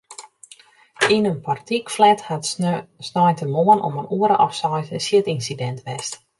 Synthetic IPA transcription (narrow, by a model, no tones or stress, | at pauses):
inənpʰartikflɛthasnɔjntəmoənʔo̰mənuəɾəʔɔfsɔjtəsjɪtinsidɛntʋɛst